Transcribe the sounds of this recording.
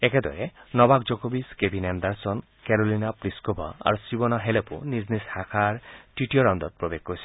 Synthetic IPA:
eked̪ɔ̰ɾenɔbak̚d͡ʒokobiskebʱinend̪aɾsɔn | keɾolinapɾiskobʱɔ̰a̰ɾusibɔnaɦelepṵniznishakʰaɾʈiʈiɔɾɔnd̪ɔt̪̚pɾobeɡ̚kɔsi

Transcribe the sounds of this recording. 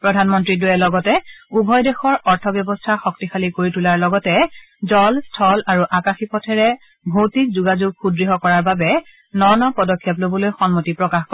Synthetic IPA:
pɹɔdʱanmɔntɹidʊjɛlɔɡɔtɛubʱɔjdexɔɹɔɹtʰɔbjɔbɔstʰaxɔktixalikoɹitulaɹlɔɡɔtɛ | zɔlstʰɔlaɹuʔakaxipɔtʰɛɹɛ | bʱowtik̚zuɡazuɡ̚xudɹiɦɔkɔɹaɹbabɛ | nɔɹnɔpɔdɔkʰːjɔp̬lobɔlojxɔnmotipɹɔkaxkɔ

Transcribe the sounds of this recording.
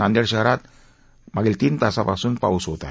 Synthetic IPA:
andɛrʃaɾat̪̚ | maɡilt̪int̪asapasunpa̰usot̪a

